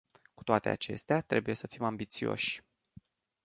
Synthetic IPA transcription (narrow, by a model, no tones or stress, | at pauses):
ku̥t̪oat̪e̞a̰t͡ʃe̞̰st̪eat̪ɾe̞buje̞səfimambit̪sio̞̰ʃʲ